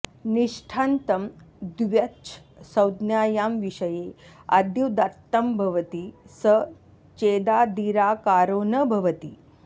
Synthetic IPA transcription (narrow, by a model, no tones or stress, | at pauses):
niʂʈʰaːnt̪ɐmd̪ʋjɐt͡ʃʰsɐwd̪njaːjaːmʋiʂɐje | a̰d̪juwd̪ɐɾt̪ːɐmbʱɐʋət̪isə | t͡ʃeːd̪aːd̪iɾaːkaːɾoːnəbʱɐʋət̪iː